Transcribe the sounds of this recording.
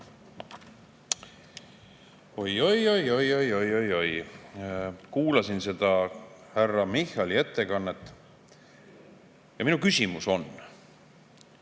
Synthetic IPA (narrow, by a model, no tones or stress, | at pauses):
o̞jo̞jo̞jo̞jo̞jo̞jo̞jo̞j | kuːlɑsinse̞d̪̥ɑhærːɑmihɑlie̞t̪ːe̞kɑnːet̪ːˑ | jɑminukysʲimuso̞n